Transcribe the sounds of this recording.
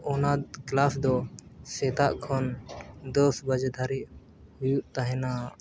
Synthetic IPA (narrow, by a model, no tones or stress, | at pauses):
ɔnad̪klasd̪ɔsɛt̪aʔkʰɔnd̪ɔsbad͡ʒd̪ʱaɾiʔ | hujuʔt̪aɦɛna